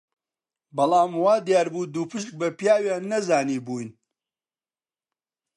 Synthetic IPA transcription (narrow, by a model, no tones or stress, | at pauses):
bɐlˠaːmwaːd̪jaːɾbuːd̪uːpɨʃk̚bɐpjaːwjaːnːɐzaːniːbuːjn